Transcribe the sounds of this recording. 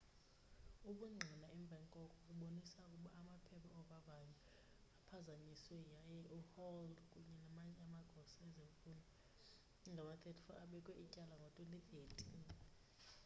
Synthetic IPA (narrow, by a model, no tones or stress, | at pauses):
uɓuŋ͡ǀʱinaɛmb̪vʱaɛŋkʼɔkʼɔk̬ʼuɓonisakʼuɓaːmapʰɛpʰaɔvavaɲɛ | apʰazaɲiswɛjajɛʔuhɔlkʼuɲɛnamaɲɛamaɡ̥ʱɔsɛzɛufuna | ŋʱamat̪ʰʼɛtʰifɔ̰ʔaɓɛkʼwɛʔicʼalaŋɡʱɔtʼwɛnit̪ietʰin